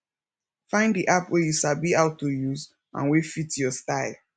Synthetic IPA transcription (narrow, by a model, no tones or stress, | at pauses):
fãɪ̃ndiʔapwɛjuʃabiaʊtːojuz | ʔã̰nwefitjɔstaɪl